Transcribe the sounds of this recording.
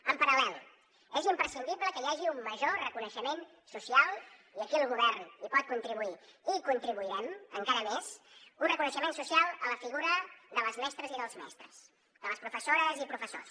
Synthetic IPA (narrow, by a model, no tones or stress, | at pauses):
əmpəɾəlɛl | ɛzimpɾəsind̪ibləkəjaʒiumːəʒorəkunəʃəmen | susialˠiəkiəlˠɣuβ̞ɛrnipɔt̪̚kunt̪ɾiβuiikunt̪ɾiβuiɾɛmə̰ŋkaɾəmesunrəkunəʃəmensusialˠələfiɣuɾəðələzmɛst̪ɾəziðəlˠzmɛ̰st̪ɾəs | d̪ələspɾufəsoɾəzipɾufəso̰s